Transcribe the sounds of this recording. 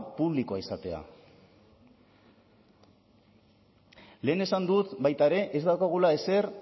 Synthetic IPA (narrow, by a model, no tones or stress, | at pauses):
puβ̞liko̞aisat̪e̞a̰ | le̞ːne̞sand̪ut̪bajt̪aeɾe̞ʔezd̪awkaɣ̞ulae̞se̞ɾ